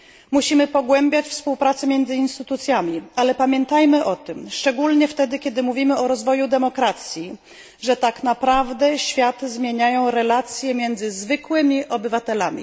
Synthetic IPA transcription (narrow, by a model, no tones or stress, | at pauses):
muɕimɘpɔɡwɛmbʲjat͡ɕfspuwpɾat̪sɛmʲjɛnd̪zɘinst̪ɘt̪ut̪sʲjamʲialɛpamʲjɛnt̪ajmɘʔɔt̪ɘmʂt͡ʂɛɡulɲɛft̪ɛd̪ɘkʲɛd̪ɘmuvʲimɘɔɾɔzvɔjud̪ɛmɔkɾat̪sʲji | ʐɛt̪aknapɾavd̪ɛɕfʲjat̪ɘzmʲjeɲajɔ̃w̃ɾɛlat̪sʲjɛmʲjɛnd̪zɘzvɘkwɘmʲiʔɔbɘvat̪ɛla̰mʲḭ